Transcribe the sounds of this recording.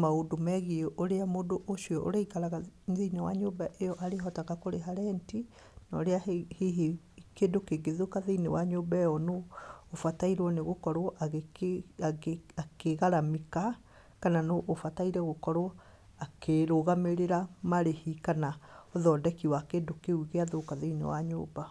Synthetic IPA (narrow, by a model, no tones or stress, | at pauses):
maodomɛɣieʔoɾeamoːdoʔoʃiɔʔo̰ɾaikaɾaɣaðiinewaɲoːbaʔejɔʔaɾeɦɔtakakoɾeɦaɾɛnti | nɔ̰ɾeahiɦi | kedokeɡeðokaðeinewaɲoːbaejɔnoːfataiɾwɔneɣokɔɾoʔaɣ | akeɣaɾamika | kananoʔːfataiɾɛɣokɔɾo | akeɾoɣameɾeɾamaɾehikanaɔðɔdɛkiwakeːndokeuɣeaðokaðeinḛwa̰ɲo̰ːba